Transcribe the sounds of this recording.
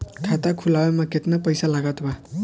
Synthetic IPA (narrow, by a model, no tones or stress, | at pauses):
kʰat̪akʰulawemaket̪napʌjsalaɡat̪ʰba